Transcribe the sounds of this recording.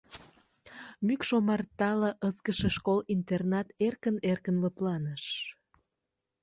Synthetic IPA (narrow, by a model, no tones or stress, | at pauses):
mykʃomɑrt̪ɑləʔəskəʃĕʃkolint̪ernɑt̪erkənerkənləplɑnəʃ